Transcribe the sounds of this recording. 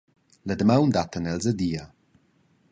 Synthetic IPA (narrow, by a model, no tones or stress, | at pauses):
ləd̪əmawnd̪at̪ənɛlzəd̪iːa